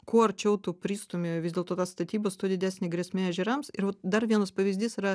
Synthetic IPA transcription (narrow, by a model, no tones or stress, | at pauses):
koːɐrt͡ʃʲɛʊt̪upʲɾʲiːst̪oːmʲeːjʋʲɪzdʲeːlˠt̪oːt̪ɑːst̪ɐt̪ʲiːbɐst̪oːd̪ʲɪd̪ʲæsʲnʲɪɡɾʲɛsʲmʲeːɐʒʲɪɾɐmsɪɾʋɐt̪d̪ɐɾʋʲiɛnɐspɐʋʲɪzʲd̪ʲiːsɪɾɐ